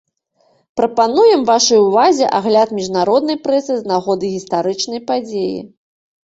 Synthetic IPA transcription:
pɾɐpanujɛmvaʂɐjuvazʲɛʔaɣlʲat̪mʲiʐnaɾɔd̪nɐjpɾɛsɨznaɣɔd̪ɨɣʲist̪aɾɨt͡ʂnɐjpad͡zʲejḭ

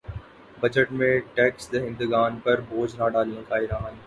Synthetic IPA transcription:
bɐd͡ʒəʈmẽʈɛːksd̪eɦɪ̃nd̪əɡaːnpɐɾboːd͡ʒnaːɖaːlijə̃kʰaːiɾaːɦən

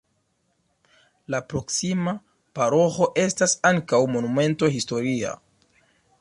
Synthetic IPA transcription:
lapɾo̞ksima | paɾo̞xo̞ʔe̞stasaŋkawmo̞nume̞nto̞ɦisto̞ɾia̰

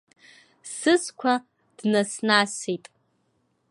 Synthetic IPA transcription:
sɨzkʷʰɐ | d̥nɐsnaːsejtʼ

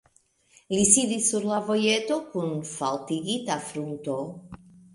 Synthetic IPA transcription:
lisid̪isuɾlavojet̪okunfalt̪iɡit̪afɾunt̪o

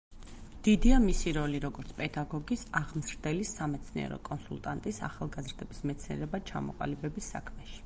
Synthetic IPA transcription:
d̪̥id̪iamisiɾɔliɾɔɡɔɾt̪sʰpʼɛd̪aɡɔɡisaʁmzɾd̪ɛlisamɛt̪sʰniɛ̰ɾɔ̰kʼɔnsṵlˠt̪ʼant̪ʼisa̰χalˠɡazɾd̪ɛbismɛt̪sʰniɛ̰ɾɛbat͡ʃʰa̰mɔ̰qʼa̰libɛbisːa̰kʰmɛʃi̥

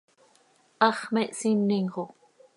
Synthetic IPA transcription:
ʔɑχmeʔsinːiŋʁo

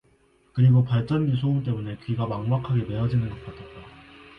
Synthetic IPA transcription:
kɯɾiɡopaɭt͡ɕ͈ʌnːisʰoumt͈e̞mune̞kɥiɡamaŋmakʰaɡe̞me̞ʌd͡ʑinɯnɡʌk͈atʰʌt̚t͈a

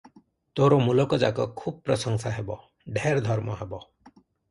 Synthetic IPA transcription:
t̪oɾomulɔkɔd͡ʒakɔ̰kʰub̚pɾʌsɔŋsaɦebɔ | ɖʱeɾd̪ʱɔɾmɔɦebɔ

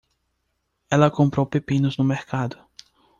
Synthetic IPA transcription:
ɛlɐkõmpɾowpepĩnʊznʊmeɾkʰad̪ʊ

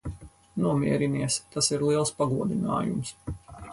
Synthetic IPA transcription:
nuɔmʲiɛɾiniɛst̪asiɾlˠiɛlˠspaɡuɔd̪ina̰ːjṵms

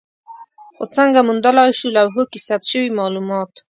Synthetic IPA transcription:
xo̰t͡səŋɡamund̪alɑjʃulawɦokisat̪ʃəwimɑlumɑt̪

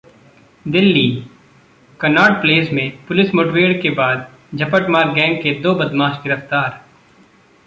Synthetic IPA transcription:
d̪ɪlːiː | kɐnaːɽpleːsmẽpʊlɪsmoːʈʋeːɽkebaːd̪̚ | d͡ʒʱɐpəʈmaːɾɡɛ̃ːŋɡ̚ked̪oːbɐd̪maːʃɡɪɾəft̪aːɾ

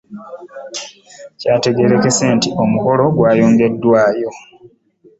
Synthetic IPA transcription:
caːte̞ɡe̞ɾe̞ke̞se̞ːntiʔo̞muko̞lo̞ɡwaːjo̞ːŋɡe̞dːwaːjo̞

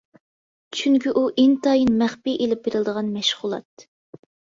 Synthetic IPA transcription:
t͡ʃʰyŋkʲiʔuʔent̪ɑjinmæχpiʔelɪp̚beɾɪlˠd̪əʁɑnmɛʃʁʊlˠɑ̰t̪̚

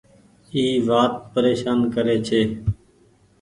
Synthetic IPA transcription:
iːʋaːt̪̚pəɾeːʃaːnkəɾeːt͡ʃʰeː

